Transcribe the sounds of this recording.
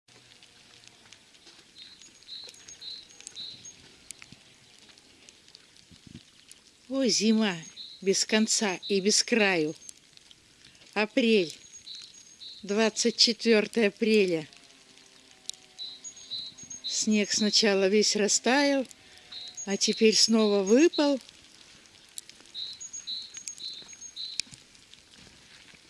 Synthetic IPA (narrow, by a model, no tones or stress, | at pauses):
ozʲɪmabʲɪskɐnt̪saibʲɪskɾajʊ | ɐpɾʲelʲ | d̪vat̪sɨt̚ʲt͡ɕɪt̪vʲo̞rt̪əjəɐpɾʲelʲə | sʲnʲe̞ksnɐt͡ɕalˠəvʲesʲrɐst̪ajɪlˠ | ɐtʲɪpʲeɾʲsno̞vəvɨpəlˠ